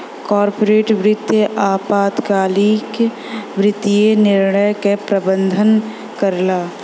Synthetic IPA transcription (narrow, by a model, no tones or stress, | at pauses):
kɔːɾpoɾeːʈʋɾɪt̪jəʔaːpaːt̪kaːlik | ʋɾɪt̪ijenɪɾɳəjkepɾəbə̃nd̪ʱən | kəɾlaː